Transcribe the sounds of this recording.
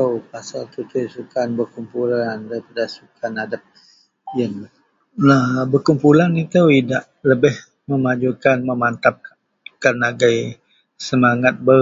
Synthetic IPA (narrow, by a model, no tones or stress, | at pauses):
əpasalt̪ut̪ʊjsukanbərkumpulandaipadasukanadap̚ | jən | labərkumpulanit̪əwidaʔ | ləbɪh | məmad͡ʒukanməmant̪ap̚ | kanaɡaj | səmaŋat̪̚bə